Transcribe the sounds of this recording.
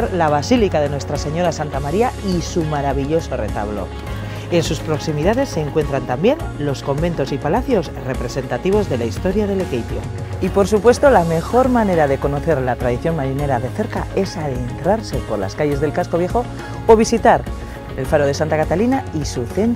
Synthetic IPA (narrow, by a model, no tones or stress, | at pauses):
ɾlaβ̞asilikaðe̞nwe̞st̪ɾase̞ɲo̞ɾasant̪amaɾiaisumaɾaβiʎo̞so̞re̞̰t̪a̰βlo̞̰ | e̞nsuspɾo̞ksimiðaðe̞sːe̞ːŋkwe̞nt̪ɾant̪ambje̞nlo̞sko̞mbe̞nt̪o̞sipalaθjo̞sre̞pɾe̞se̞nt̪at̪iβ̞o̞zðe̞laist̪o̞ɾjaðe̞le̞kejp̪jo̰ipo̞ɾsupwe̞st̪o̞lame̞xo̞ɾmane̞ɾaðe̞ko̞no̞θe̞ɾlat̪ɾað̞iθjo̞nmaɾine̞ɾaðe̞θe̞ɾkae̞saðent̪ɾaɾse̞po̞ɾla̰skaʝe̞zðe̞lkasko̞βje̞xo̞ː | β̞isit̪aɾ | e̞lfaɾoðe̞sant̪akat̪alinaisuθe̞n